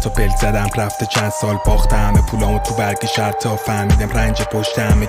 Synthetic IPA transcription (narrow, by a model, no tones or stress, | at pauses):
t̪ʰɒbelzæd̪æmræft̪et͡ʃʰænd̪sɒːlbɒːχt̪ʰehæmepʰuːlɒːmot̪ʰubæɾɡeʃæɾt̪ʰɒːfæɾmiːd̪æmrænd͡ʒepʰoʃt̪ʰehæme